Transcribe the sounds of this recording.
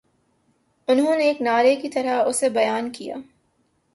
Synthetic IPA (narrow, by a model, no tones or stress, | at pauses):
ʊnɦõneːknaːɾekit̪ɐɾaʊsebɐjaːnkija̰ː